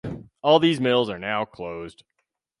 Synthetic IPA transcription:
ɔlˠðizmɪlˠzə˞naʊkʰl̥oʊzd̥

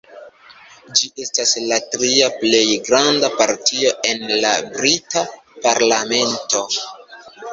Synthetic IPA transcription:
d͡ʒiʔe̞staslatɾiaple̞jɡɾandapaɾtʰio̞e̞nlabɾitapaɾlame̞nto̞

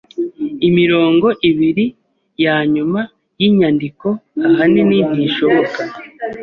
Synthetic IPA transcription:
imiɾo̞ːŋɡo̞ʔiβiɾi | jaːɲuma | jiːɲandiko̞aɦanenin̥hiːʃo̞βo̞kḁ

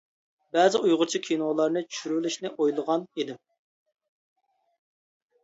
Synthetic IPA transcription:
bɛzɪʔujʁʊɾt͡ʃʰikʲʰinolˠɑɾnɨt͡ʃʰy̥ʃyɾwɪlyʃnɪʔojlˠəʁɑnid̪ɪm

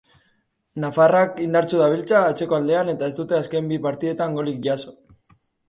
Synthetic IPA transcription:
nafarakind̪aɾt͡suðaβ̞ilt͡saːt͡se̞ko̞ald̪e̞ane̞t̪ae̞zt̪ut̪e̞aske̞mbipaɾt̪iðe̞t̪aŋɡo̞lik̚ʝaso̞

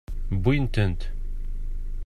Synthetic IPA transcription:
bujnt̪ənt̪

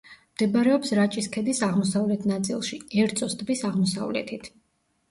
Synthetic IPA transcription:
md̪̥ɛbaɾɛɔpsɾat͡ʃʼiskʰɛd̪isaʁmɔsavlɛt̪ʰnat̪sʼilˠʃiɛɾt̪sʼɔst̪ʼbisaʁmɔsa̰vlɛ̰t̪ʰit̪ʰ

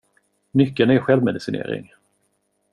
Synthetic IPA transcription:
nʏkːənɛɾɧɛlvmɛd̪ɪsɪnḛːɾɪ̰ŋ

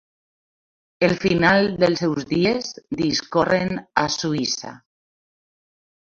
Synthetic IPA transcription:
elfinalˠd̪elˠsɛwzðiezd̪iskorena̰suisa̰

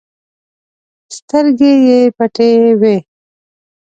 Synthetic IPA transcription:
st̪əɾɡejepaʈewe

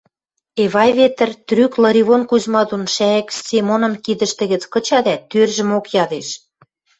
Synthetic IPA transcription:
eβɑjβet̪ə̆rt̪ryklɤ̆ɾʲiβonkuzmɑd̪unʃæĕkst͡semonɤ̆mkid̪ə̆ʃt̪ə̆ɣə̆t͡skɤ̆t͡ɕɑd̪æt̪ːørʒə̆mokjɑd̪eʃ

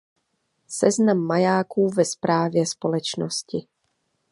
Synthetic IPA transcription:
sɛznamːajaːkuːvɛspɾaːvjɛspo̞lɛt͡ʃnoscɪ

